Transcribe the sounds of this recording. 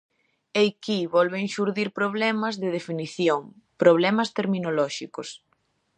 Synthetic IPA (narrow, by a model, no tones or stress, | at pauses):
ejkiβɔlβeŋʃuɾðiɾpɾoβlɛmɐzðɪð̞efiniθjoŋ | pɾoβ̞lɛmɐst̪eɾminolɔʃikʊs